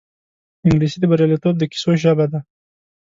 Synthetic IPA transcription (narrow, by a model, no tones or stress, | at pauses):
ɪŋɡɾisid̪əbaɾjɑlit̪ob̚d̪əki̥soʒabad̪a